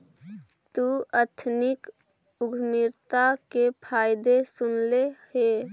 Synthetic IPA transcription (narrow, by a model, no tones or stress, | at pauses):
t̪uət̪ʰnɪk | ʊɡʱmɪɾt̪akepʰaɪd̪esʊnlehe